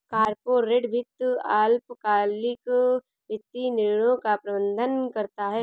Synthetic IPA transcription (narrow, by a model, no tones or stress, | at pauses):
kaːɾpoːɾːeɖbʱɪt̪ːuaːlpkaːlɪk | ʋɪt̪ːinɪɾɽõkapɾɐbə̃nd̪ʱənkɐɾt̪aɦɛː